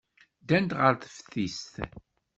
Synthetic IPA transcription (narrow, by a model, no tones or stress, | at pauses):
d̪ænt̪ʁəɾθəfθist̪